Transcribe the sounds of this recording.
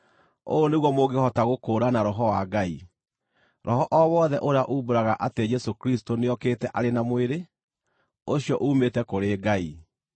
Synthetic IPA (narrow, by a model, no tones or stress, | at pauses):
o̰ːneɣwɔmoɡehɔtaɣokoːɾanaɾɔɦɔwaɡai | ɾɔɦɔʔɔwɔðɛʔoɾeaʔuboɾaɣaʔated͡ʒɛsokɾistoneɔkeːtɛʔaɾenamoeɾe | oɕijɔʔuːmetɛkoɾeːɡai